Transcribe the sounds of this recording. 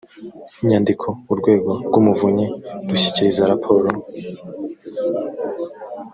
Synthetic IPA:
iɲaːndikʰo̞uɾɡwe̞ːɡo̞ɾɡwumuvuɲeduɕi̥ciɾizaɾapʰo̞ːɾo

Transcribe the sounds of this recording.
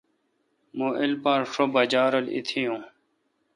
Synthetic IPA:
muʔilpãːɾʂobɐd͡ʑaːɾolḭt̪ʰijũː

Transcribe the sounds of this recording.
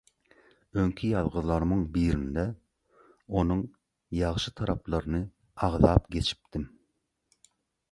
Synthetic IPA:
øŋkʲʰijɑðʁəðlˠɑɾmɯŋbiːɾind̪ɛ | onuŋ | jɑʁʃɯt̪ʰɑɾɑplˠɑɾɨnɨ | ɑʁðɑːpɡʲet͡ʃʰi̥p̚t̪im

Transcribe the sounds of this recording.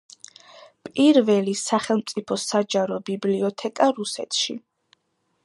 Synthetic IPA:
pʼiɾvɛlisaχɛlˠmt̪sʼipʰɔsad͡ʒaɾɔbibliɔt̪ʰɛkʼaɾusɛ̰t̪ʰʃḭ

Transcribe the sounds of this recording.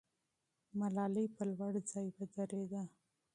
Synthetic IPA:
malɑlipəlwaɽd͡zɑjbad͡ʒaɾed̪a

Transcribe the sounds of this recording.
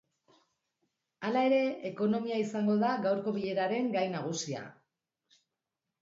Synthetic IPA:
alae̞ɾe̞ːko̞no̞miaisaŋɡo̞ðaɡawɾko̞βiʎe̞ɾaɾe̞ŋɡajnaɣ̞usia̰

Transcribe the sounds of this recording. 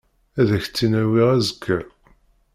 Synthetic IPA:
æðæçt͡sːinæwiʁæzəkʰːæ

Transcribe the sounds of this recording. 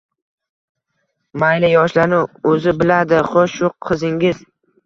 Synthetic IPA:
majlɪjɒʃlanʊɵzɪbɪlad̪ɪχoʃʊqʰɨzɪŋɡʲɪz̥

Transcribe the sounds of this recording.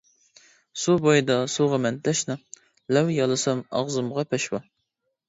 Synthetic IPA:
subojd̪ɑsuʁɑmɛnt̪ʰɛʃnɑ | lɛwjɑlˠɨsɑmɑ̰ʁzɨmʁɑpʰɛʃwɑ

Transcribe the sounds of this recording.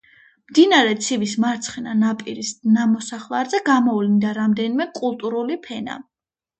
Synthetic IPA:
md̪inaɾɛt̪sʰivismaɾt̪sʰχɛnanapʼḭɾisnamɔsaχlˠaɾzɛɡamɔvlind̪aɾamd̪ɛnimɛkʼulˠt̪ʼuɾulipʰɛna̰

